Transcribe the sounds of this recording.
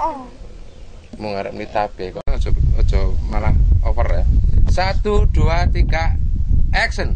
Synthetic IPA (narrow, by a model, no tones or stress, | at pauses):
muŋaɾə̰p̚lit̪ab̥ekɔaŋɔd̥ɔɔd̥ʒ̥ɔ̤malahɔwərasat̪uɖ̪̥uat̪ika | ɛksən